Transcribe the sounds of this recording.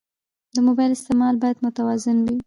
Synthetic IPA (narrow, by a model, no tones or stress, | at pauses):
d̪əmobɑjlɪst̪emɑlbɑjad̪mʊt̪awɑzɪnwi